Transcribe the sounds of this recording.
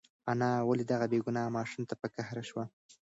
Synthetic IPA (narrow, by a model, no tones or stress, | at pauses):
anɑwaled̪aɣabeɡunɑmɑʃumt̪apəkahɾaʃwa